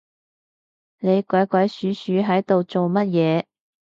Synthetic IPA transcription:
ne˨˧jkʷɔː˨˥jkʷɐ˨˥jsyː˨˥syː˨˥ɦɐ˨˥jt̪o˨wt͡so˨wmɐ˥t̚jɛː˨˧

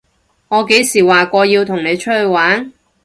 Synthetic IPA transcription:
ŋɔː˨˧ke˨˥jsiː˨˩waː˨kʷɔː˧jiː˧wt̪ʰʊ˨˩ŋne˨˧jt͡ʃʰɵ˥t̚hɵ˧ɥwaː˨˥n

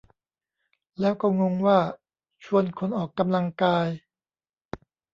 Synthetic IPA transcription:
lɛː˦˥wkɔː˥˩ŋo˧ŋwaː˥˩ | t͡ɕʰu˧ənkʰo˧nʔɔː˨˩kːa˧mla˧ŋkaː˧j

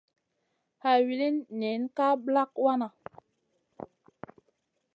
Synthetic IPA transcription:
ha˨ɥi˨li˦nːɛ˨˦nka˦bla˦k̚wa˦na˨

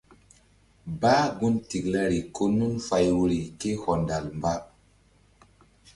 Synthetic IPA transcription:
baː˦ɡu˦nti˨kla˦ɾi˨kʰo˦nu˦nfa˨jwu˨ɾi˨ke˦hɔ˨nda˨lmba˦

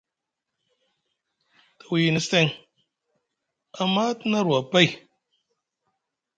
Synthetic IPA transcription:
ta˨wi˨jni˨˦ste˦ŋ | a˨ma˦tna˦ɾwa˨ba˦i˨

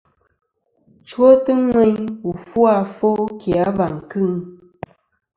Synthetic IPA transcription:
t͡ʃwo˦tɨ˦ŋɛ˦ɲwu˨fwa˦˨fo˦kʰja˨˦ba˨ŋ̩˨kɨ˦˨ŋ

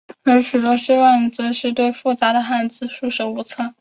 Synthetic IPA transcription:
ə˧˥ɕy˨˩t̪wə˧˥ɕi˥wɑ˥˩ŋt͡sɤ˧˥ʂɻ̩˥˧t̪we˥˧ɪfu˥˩t͡sa˧˥d̪ə˨˧xa˥˧˩nd͡zɹ̩˧˥ʂu˥˩ʂə˧˥u˧˥˩t͡sʰɤ˥˩

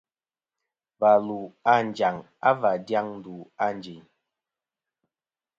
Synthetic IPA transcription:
va˨lu˨a˦˨n˨d͡ʒa˨ŋ | a̰˦va˨dja˦ŋn˦du˨a˦n˨d͡ʒi˨ɲ

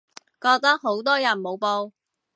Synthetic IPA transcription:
kɔː˧k̚t̪ɐ˥k̚ɦo˨˥wt̪̬ɔː˥jɐ˨˩nmo˨˧wpoː˧

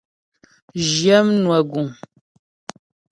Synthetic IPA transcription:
ʒjɛ˦mnwa˨ɡu˨ŋ

